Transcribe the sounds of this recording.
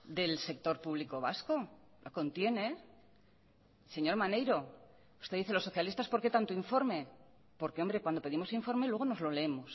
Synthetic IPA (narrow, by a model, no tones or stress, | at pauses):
d̪e̞lse̞k̚t̪o̞ɾpuβ̞liko̞βasko̞ | lʔoko̞nt̪je̞ne̞ | se̞ɲo̞ɾmane̞jɾo̞ | u̥st̪eðiθe̞lo̞so̞θjalist̪aspo̞ɾke̞t̪ant̪oiɱfo̞ɾme̞ | po̞ɾke̞o̞mbɾe̞kwand̪ope̞ðimo̞siɱfo̞ɾme̞lweɣono̞zlo̞leemo̞s